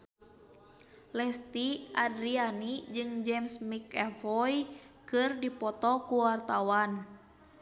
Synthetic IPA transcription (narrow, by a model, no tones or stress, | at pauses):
lɛst̪iʔadɾianid͡ʒɨŋd͡ʒɛmsmikɛfɔj | kɨrdipɔt̪ɔkuwart̪awan